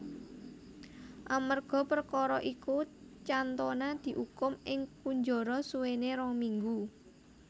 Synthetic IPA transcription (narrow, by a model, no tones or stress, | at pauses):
ʔamərɡ̥ɔ̤pərkɔɾɔʔikut͡ʃant̪onad̪̥i̤ʔukʊmʔɪŋkuɲd͡ʒɔɾɔsuweneɾɔŋmiŋɡu